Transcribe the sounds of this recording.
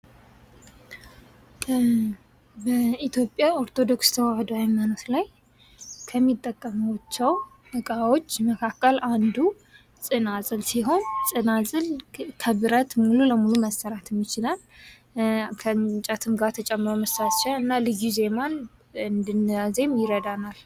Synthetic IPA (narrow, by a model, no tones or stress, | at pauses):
bəit̪ʰjo̞pʼjao̞ɾt̪ʰo̞d̪o̞kst̪ʰəwahd̪oajmanot̪laj | kʰəmːit̪ʼːəkʼːəməwt͡ʃːɛw | bɨkʼawo̞t͡ʃːməkʰakʰːəlʔand̪u | t͡sʼɨnazʼɨlsiɦo̞nsʼɨnazʼɨlkʰəβɨɾət̪mululəmuluməsəɾat̪mːit͡ʃɪlal | kʰəmt͡ʃʼat̪ʰɨmɡat̪ʰət͡ʃʼɛmːɾoməst̪at̪ʃaɨnːalɨɡize̞man | ɨnd̪ɨnjaze̞mjɪɾəd̪anal